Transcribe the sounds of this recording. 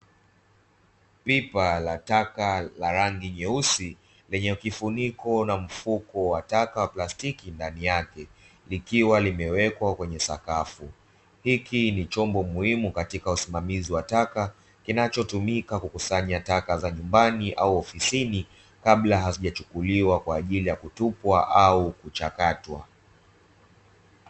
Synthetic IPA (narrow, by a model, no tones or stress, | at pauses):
pipalatakalaɾaŋɡiɲɛusi | lɛɲɛkifunikɔnam̩fukɔwatakawaplastikindanijakɛ | likiwalimɛwɛkwakwɛɲɛsa̰kafu | hikinit͡ʃɔmbɔmuhimukatikausimamiziwataka | kinat͡ʃɔtumikakukusaɲatakazaɲumbaniʔauɔfisini | kaɓlaɦaziʄat͡ʃukuliwakwaːʄilijakutupwaʔaukut͡ʃakatwa̰